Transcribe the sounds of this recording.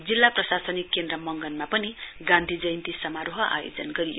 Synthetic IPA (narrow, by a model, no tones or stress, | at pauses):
d͡zilːaprʌsasʌnikːend̪rʌmʌŋɡʌnmapʌniɡãnd̪ʱid͡zʌjnt̪isʌmaɾoɦʌʔa̰jo̰d͡zʌnɡʌɾijo